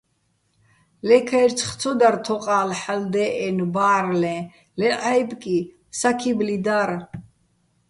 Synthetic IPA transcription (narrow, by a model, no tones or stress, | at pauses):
lɛkʰajɾt͡sʰχt̪t͡sʰɔd̪aɾt̪ʰɔqʼaːlħald̪ɛʔɛnbaːɾlɛ̃ | lɛʔajbkʼi | sakʰiblid̪aɾ